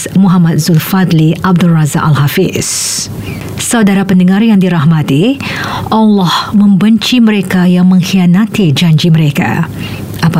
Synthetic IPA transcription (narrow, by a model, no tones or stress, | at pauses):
muɦamat̪̚zulfad̪liab̚dulraza̰kalɦafḭs | sawdaɾapəndəŋarjaŋdiɾaɦmat̪iʔalːɔhmə̃mbəɲt͡ʃiməɾekajaŋmə̃ŋxianat̪id͡ʒaɲd͡ʒiməɾeka̰ | ʔapa